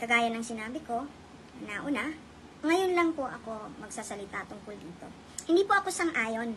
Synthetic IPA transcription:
kɐɡaːjɐnɐŋsɪnaːbɪko̞ | naʔʊna | ŋɐjonlɐŋpoʔɐko̞mɐɡsasɐlɪt̪at̪ʊŋkʊld̪iːt̪o̞̰ | hɪnd̪iːpoʔɐkosɐŋʔaːjo̞n

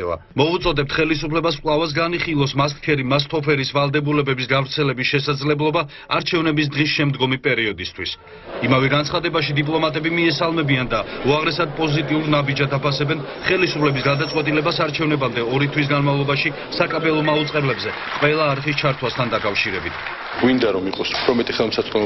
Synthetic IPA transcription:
a̰ | mɔut̪sʼɔd̪ɛp̚t̪ʰχɛlisupʰlɛbasqʼlˠavas̬ɡaniχilˠɔsmaskkʰɛɾimast̪ʰɔpʰɛɾisvalˠd̪ɛbulɛbɛbisɡavɾt̪sʰɛlɛbisʃɛsad̪zlɛblˠɔba | aɾt͡ʃʰɛvnɛbis̬d̪ʁisʃɛmd̪ɡɔmipʼɛɾiɔd̪ist̪ʰwis | imavɛɡant̪sʰχad̪ɛbaʃid̪ipʼlˠɔmat̪ʼɛbimiɛsalˠmɛbiand̪auaʁɾɛsad̪̚pʼɔzit̪ʼiuɾnabid͡ʒad̪apʰasɛbɛn | χɛlisupʰlɛbisɡad̪at̪sʼwɛt̪ʼilɛbasaɾt͡ʃʰɛvnɛbamd̪ɛɔɾit̪ʰwis̬ɡanmavlˠɔbaʃi | sakʼabɛlˠɔmaut̪sʼqʼɛblɛbzɛ | qʼwɛlˠaːɾχist͡ʃʰaɾt̪ʰwast̪ʰand̪akʼafʃiɾɛbit̪ʰ | ɡ̥wind̪aɾɔmiqʼɔsu̥pʰɾɔmɛt̪ʼiχɛlˠmsasɔ

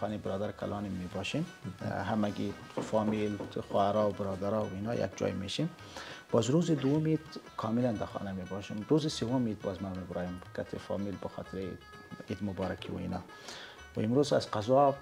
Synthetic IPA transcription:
xɑːnebɪɾɑːd̪aɾkʰa̰lʔɑːnimːibɑʃinɦamaɡi | fɑːmilxɑhaɾɑwbɪɾɑːd̪aɾɑwinɑːja̰k̚d͡ʒɑ̰jmeʃin | b̥ɑːzɾuzid̪uwumit̪kʰɑːmiland̪axɑ̰ːnamebɑʃimɾuzisewʊmit̪̚bɑzmamebɾɑjimkat̪ʰefɑ̰ːmilbəxɑ̰ːt̪ʰɪɾe | id̪mʊbɑːɾakʰiwṵḭnɑː | wimɾuːza̰zqazɑ

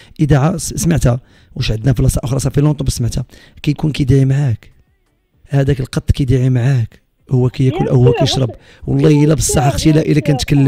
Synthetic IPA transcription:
ʔəd̪aʕasmaʕt̪hæ | wəʃʕəd̪næflɑsˤɑʔʊxɾˤɑsˤɑfilot̪ˤnbəsmaʕt̪hæ | kæjkunkæjd̪iʕimaʕak | hæd̪ækəlqɑt̪ˤːkæjd̪iʕimaʕak | hʊwːækæjkunʔəhwːækæjʃɾˤɑb | wɑlˤːɑjəlæbəsˤːɑħaxt̪ilæʔəlːækænət̪kəlːə

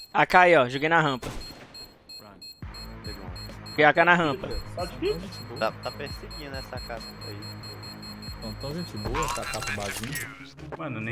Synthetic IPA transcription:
akaiɔʒoɡejnɐɦɐ̃pɐ | ɾãseɡṵ̃t̪oɡejakanaɦɐ̃pɐaɐ̃ʒẽt͡ʃɪbot̪at̪apehseɡĩnʊɛsakapɐa̰i | t̪ɐ̃t̪ɐ̃ʒẽt͡ʃɪbowɐɛsɐkapɐbazĩɐ | mɐ̃nʊne

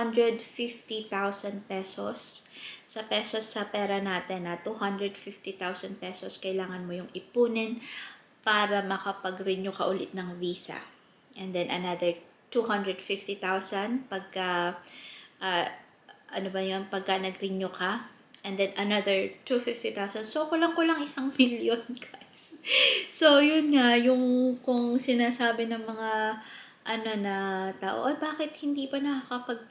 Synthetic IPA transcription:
ɐnd̪ɹɛd̪fift̪it̪awsɐnd̪pɛsosː | ɐpɛsosːɐpɛːɾɐnaːt̪ɛnːɐt̪uhɐnd̪ɾɹɛd̪fɪft̪it̪awsɐn̚pɛsoskɐʔɪlaːŋɐnmojʊŋɪpuːnɪn | paːɾɐmɐkɐpɐɡɾɪɲokɐʔʊlɪt̪̚nɐŋviːsɐ̰ | ʔɛnd̪ɛnʔɐnaðd̪ɛɹ | t̪uhɐnd̪ɹɛd̪fɪft̪it̪awsɐnd̪pɐɡ̚kɐ | ʔaː | ʔɐnobɐjonpɐɡ̚kɐnɐɡɾɪɲoka | ʔɛnd̪ɛnɐnɐðɛɹt̪ufɪft̪it̪awsɐnsokolɐŋkolɐŋʔɪsaŋmɪljonɡajssojʊnŋajʊŋkʊŋsɪnaːsaːbɪnɐŋmɐŋa | ʔɐno̞nɐt̪aːʔo̰ʔɐbaːkɪt̪̚hɪnd̪iːpɐnɐkakɐpɐɡ̚

